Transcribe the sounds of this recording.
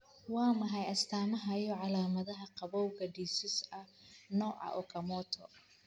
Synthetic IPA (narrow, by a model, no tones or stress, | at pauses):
wɑːmɐɦɐjɐst̪ʰaːmɐɦɐjɔʕɑlaːmɐðɐɦɐqɑβɔwkɐɖiːsɪsɐnɔːʕɑ̰ʔɔkʰɐmɔːt̪ʰɔ